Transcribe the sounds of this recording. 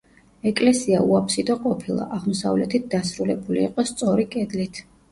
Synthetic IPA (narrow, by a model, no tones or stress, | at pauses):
ɛkʼlɛsiauapʰsid̪ɔqʼɔpʰilˠa̰ʔaʁmɔsa̰vlɛt̪ʰit̪̚d̪asɾulɛbuliːqʼɔst̪sʼɔɾikʼɛd̪lit̪ʰ